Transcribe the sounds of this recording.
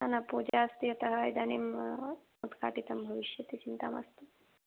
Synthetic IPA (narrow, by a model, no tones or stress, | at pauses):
anɐpoːd͡ʒaːst̪ijɐt̪ɐɦaːjd̪aːnemmut̪ka̰ːʈit̪ɐmbʱɐʋiʃjɐt̪it͡ʃint̪a̰ːma̰st̪u